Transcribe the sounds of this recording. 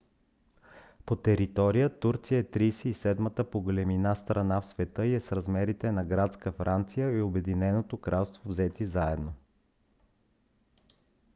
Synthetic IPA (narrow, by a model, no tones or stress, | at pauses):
pot̪ɛɾit̪ɔɾijət̪uɾt̪sijəɛt̪ɾijsɛisɛd̪mət̪əpoɡolɛminast̪ɾɐnafsvɛt̪ɤiɛsɾɐzmɛɾit̪ɛnɐɡɾat̪skəfɾant̪sijəiobɛd̪inɛnot̪okɾʔalˠst̪vovzɛt̪izaɛd̪no